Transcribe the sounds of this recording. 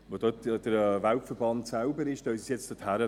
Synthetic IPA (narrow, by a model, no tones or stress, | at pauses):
ʋodod̥əɾvalpfəɾb̥ɑntsaʊbəɾɪʃd̥œʏsəsjɛt͡std̥əthæɾə